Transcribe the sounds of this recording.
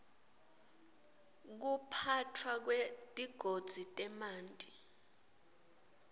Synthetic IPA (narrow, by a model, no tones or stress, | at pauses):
k̬upʰatʰwak̬wed̥ʱʼiɡ̥ʱod̥z̥ʱitʼɛmaːntʼi